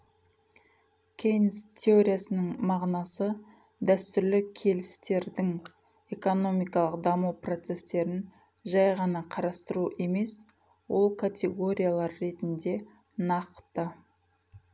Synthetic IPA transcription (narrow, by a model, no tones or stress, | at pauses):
kʲʰejnst̪ʲʰe̞o̞ɾʲijasənəɴmɑʁnɑsə | d̪æst̪ʏɾlɪkʲʰe̞lɪst̪e̞ɾd̪ɪŋ | e̞ko̞no̞mijkɑlˠəqd̪ɑmuwpro̞t̪se̞st̪e̞ɾɪn | ʒɑjʁɑnɑqʰɑɾɑst̪əɾuʔe̞me̞s | wo̞lˠkʰat̪ʲe̞ɡo̞ɾʲijalˠɑɾːe̞t̪ɪnd̪e̞ | nɑqt̪ə